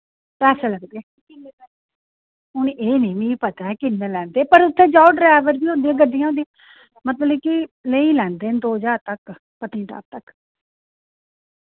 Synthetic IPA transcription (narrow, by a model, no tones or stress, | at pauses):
pɛːseːləɡd̪eɛː | kɪnelɛː | ʊnʔeːnĩːmĩːpət̪aːɛkɪnːẽːlɛ̃ːnd̪eːpəɾʊt̪ʰːẽːd͡ʒaːɖɾɛːʋəɾbiːoːnd̪ijãːɡəɖːijãond̪iã | mət̪ləbkɪleiːlɛ̃ːnd̪eːnd̪oːd͡ʒaːɾt̪ək | pət̪ĩːʈa̰ːp̚t̪ək